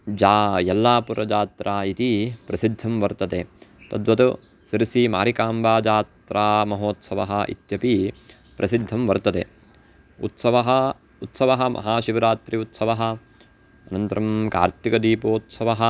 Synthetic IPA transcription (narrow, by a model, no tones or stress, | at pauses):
d͡ʒaːjɐlːaːpuɾɐd͡ʒaːt̪ɾaːit̪ipɾɐsid̪ʱːɐmʋɐɾt̪ɐd̪eːt̪ɐd̪ʋɐt̪u | siɾsimaːɾikaːmbaːd͡ʒaːt̪ɾʔaːmɐɦoːt̪sɐʋɐɦɐ̆ʔḭt̪jɐpi | pɾʔɐsid̪ʱːɐmʋɐɾt̪ɐt̪eː | ut̪sɐʋɐɦɐ | ut̪sɐʋɐɦɐ̆mʔɐ̰ɦaːʃiʋɐɾaːt̪ɾiut̪sɐʋɐɦɐ̆ | ɐnɐnt̪ɐɾɐmka̰ːɾt̪ikɐd̪iːpoːt̪sɐʋɐɦɐ